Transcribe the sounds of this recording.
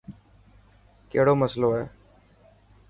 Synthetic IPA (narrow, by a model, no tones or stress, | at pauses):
keːɽoːməsloːɛː